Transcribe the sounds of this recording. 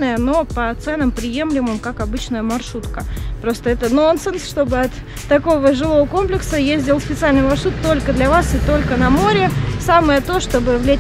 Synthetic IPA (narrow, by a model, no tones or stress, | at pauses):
nəjəno̞pət̪sɛnəmpɾʲɪje̞mlʲɪmɨmkakɐbɨt͡ɕnəjəmɐrʂut̪kəpɾo̞st̪əɛt̪əno̞nsɨnsʂt̪o̞bɨɐt̪ː | ɐko̞vəʐɨlˠo̞vəko̞mplʲɪksəjezʲdʲɪlˠsʲpʲɪt̪sɨalʲnɨjmɐrʂut̪ːo̞lʲkəd̪lʲɐvasɨt̪o̞lʲkənɐmoɾʲɪsaməjət̪o̞ʂt̪o̞bɨvlʲe